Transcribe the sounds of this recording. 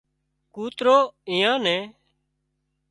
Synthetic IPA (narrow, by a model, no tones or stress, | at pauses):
kuːt̪ɾoːɪ̃ːjãːnɛ̃ː